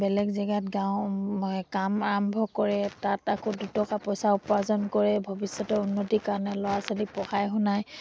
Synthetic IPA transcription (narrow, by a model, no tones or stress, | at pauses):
bɛlɛɡzɛɡatɡãʊ̃ | kamaɹɔmbʱɔkɔɹɛtatakodutɔkapɔjsaupazɔnkɔɹɛbʱɔbisjɔtɔunːotikaɹnɛlɔwasolipɔxajɦʊnaj